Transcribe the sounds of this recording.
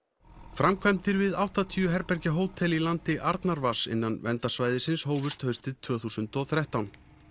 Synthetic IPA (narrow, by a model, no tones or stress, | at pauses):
fɾamkʰvajmt̪ɪɾvɪðawht̪at̪ʰiːʏɦɛɾpɛɾcaɦoːwt̪ʰɛlilant̪ɪʔaɾt̪naɾvasɪ̰nːanvɛnt̪asvaːjðɪsɪnsɦoːwvʏst̪hœɥst̪ɪt̪ʰːvœːθuːsʏnt̪ɔɣθɾaht̪awn